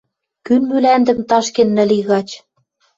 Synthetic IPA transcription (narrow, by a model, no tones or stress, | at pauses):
kynmylænd̪ɘ̆mt̪ɑʃkenːɘ̆liɣɑt͡ɕ